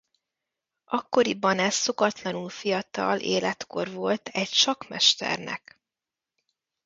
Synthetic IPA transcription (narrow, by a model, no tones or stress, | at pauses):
ʔɒkːo̞ɾibɒnɛsːo̞kɒt̪lɒnulfijɒt̪ɒ̰lʔḛːlɛt̪ko̞rvo̞lt̪ɛcʃɒkmɛʃt̪ɛ̰rnɛ̰k